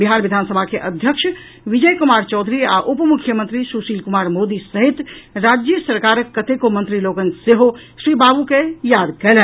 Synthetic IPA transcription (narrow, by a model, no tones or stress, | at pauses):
biɦaɾʋid̪ʱansəbʱakeʔəd̪ʱjəkʃʰ | ʋid͡ʒəjkumaɾt͡ʃɔːd̪ʱɾiaʔupmukʰːjəmənt̪ɾisusilkumaɾmod̪isəɦit̪ɾad͡ʒjəsəɾkaɾəkːət̪ekomənt̪ɾiloɡənseɦosɾibabukejad̪kɛlɛ